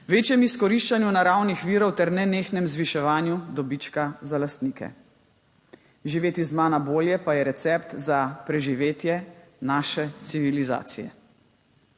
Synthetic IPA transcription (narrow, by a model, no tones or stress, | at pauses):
ʋeːt͡ʃjɛmiskɔɾiʃt͡ʃanjunaɾawnixʋiːɾɔwt̪ɛɾnɛneːxnɛmzʋiʃɛʋaːnjud̪ɔbit͡ʃkazalast̪niːkɛ̰ | ʒiʋeːt̪izmaːnaboːljɛpajɛɾɛt̪sɛpt̪zapɾɛʒiʋeːt̪jɛnaːʃɛt̪siʋiliza̰ːt̪sijɛ̰